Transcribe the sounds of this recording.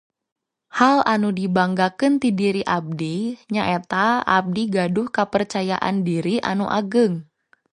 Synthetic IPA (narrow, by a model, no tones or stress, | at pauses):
halanudibaŋɡakɨnt̪idiɾiʔab̚diɲaʔet̪aab̚diɡadʊhkəpərt͡ʃajaʔa̰ndiɾiʔa̰nuʔaɡɨŋ